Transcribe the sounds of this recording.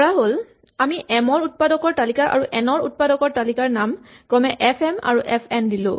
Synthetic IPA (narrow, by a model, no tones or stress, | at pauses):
ɔɹaɦol | amiʔɛmɔɹut̚padɔkɔɹtalikaʔa̰ɹuʔɛnɔɹut̚padɔkɔɹtalikaɹnamkɹɔmɛʔɛpʰɛma̰ɹuʔɛpʰɛndilʊ̰̃